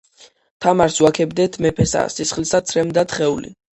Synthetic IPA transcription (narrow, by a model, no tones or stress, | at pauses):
t̪ʰamaɾswakʰɛbd̪ɛt̪ʰmɛpʰɛsa̰sisχlisat̪sʰɾɛmd̪at̪ʰχɛulḭ